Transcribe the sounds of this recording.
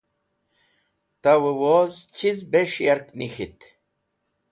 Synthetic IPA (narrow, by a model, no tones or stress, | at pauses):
t̪awəwoːzt͡ɕʰizbeʂjaɾknixit̪